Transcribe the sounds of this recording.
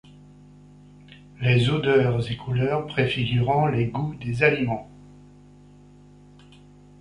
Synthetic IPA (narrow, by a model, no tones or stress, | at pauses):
lezod̪œʁzekʰulœʁpχefiɡʲyʁɔ̃leɡud̪ezalimɑ̃